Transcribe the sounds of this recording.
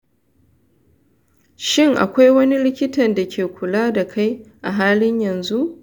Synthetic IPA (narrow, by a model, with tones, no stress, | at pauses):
ʃɪ˦ŋʔa̰˨kʷa˦jwɐ˦ni˦lɪ˦kʲɪ˦tɐ˨nda˨kʲʰeː˨kʷʊ˨laː˦da˨kʰa˦jʔa˨ɦaː˦lɪ˦ɲjɐ˨nzu˦ʔ